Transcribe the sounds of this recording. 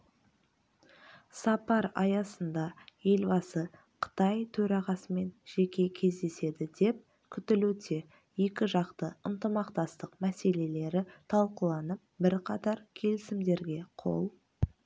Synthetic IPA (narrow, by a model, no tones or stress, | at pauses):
sɑpɑɾɑjɑsənd̪ɑje̞lbɑsə | qʰə̥t̪ɑjt̪ʰɵɾɑʁɑsəme̞nʒ̥e̞kʲe̞kʲʰe̞zd̪e̞se̞d̪ɪd̪e̞p̚ | kʲʰʏt̪ɪlut̪e̞ | je̞kʲɪʒɑqt̪əənt̪əmɑqt̪ɑst̪əqmæse̞le̞le̞ɾɪt̪ʰɑlˠqəlˠɑnəp̚bɪɾqʰɑt̪ɑɾkʲʰe̞lɪsɪmd̪e̞ɾɡʲe̞qʰo̰lˠ